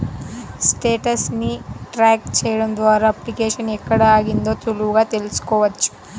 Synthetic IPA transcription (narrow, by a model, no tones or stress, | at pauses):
sʈeːʈɐsniʈɾaːkt͡ʃejɽɐnd̪ʋaːɾaɐplikeːʃɐnɛkːɐɽɐaːɡind̪oːt̪uluɡaːt̪elsu̥koːʋɐt͡ʃːu̥